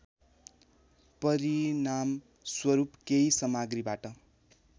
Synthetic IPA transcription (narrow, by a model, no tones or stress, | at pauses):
pʌɾinam | swʌɾupkejsʌmaɡribaʈʌ